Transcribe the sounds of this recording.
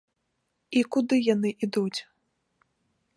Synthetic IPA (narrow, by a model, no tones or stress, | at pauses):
ikud̪ɨjanɨʔid̪ut͡sʲ